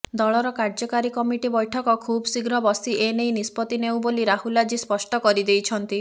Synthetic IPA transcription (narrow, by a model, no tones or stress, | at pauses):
d̪ɔɭɔɾɔkaɾd͡ʒɔkaɾikɔmiʈibɔjʈʰɔkɔkʰubɔsiɡɾɔbɔsiʔenejnispɔt̪inew̃boliɾahulad͡ʒispɔsʈɔkɔɾid̪ejt͡ʃʰɔnt̪i